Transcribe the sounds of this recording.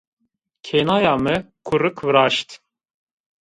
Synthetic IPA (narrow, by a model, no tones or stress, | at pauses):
kʰenaːjɑːmɨkʰuɾɨkʰvɨɾɑːʃt̪